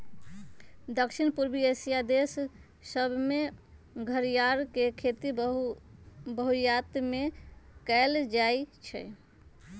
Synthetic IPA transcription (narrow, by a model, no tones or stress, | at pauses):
d̪əkʃinpuɾbiesijad̪esː | əbʱme | ɡʱəɾijaɾkekʰet̪i | bəɦujat̪mekɛld͡ʒait͡ʃʰɛ̰